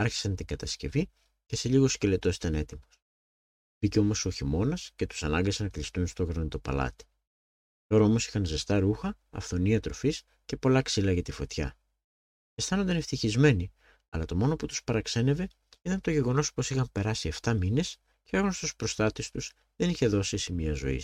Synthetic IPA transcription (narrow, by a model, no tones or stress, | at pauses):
ɐɾçi̥sɐnt̪iŋɡɐt̪ɐsce̞̰vi | ce̞se̞ʎiɣo̞sce̞le̞t̪o̞si̥t̪ɐne̞t̪imo̞s | b̥iceo̞mo̞so̞çimo̞nɐsce̞t̪u̥sɐnɐŋɡɐsenɐklist̪unst̪oɣɾɐnit̪o̞pɐ̰lɐ̰t̪i̥ | t̪o̞ɾɐo̞mo̞si̥xɐnzest̪ɐɾuxɐ | ɐ̰fθo̞niɐt̪ɾo̞fis | cepo̞lɐksilɐʝɐt̪ifo̞t̪çɐ̰ | est̪ɐnond̪ɐneft̪içizme̞ni | ɐ̰lɐt̪o̞mo̞no̞put̪u̥spɐɾɐkse̞ne̞ve̞ | it̪ɐnt̪o̞ʝe̞ɣo̞no̞spo̞sixɐmpe̞ɾɐsieft̪ɐmine̞s | ceoɣonost̪uspɾo̞st̪ɐt̪est̪us | ðe̞niçe̞ðo̞siesimiɐzo̞̰ḭ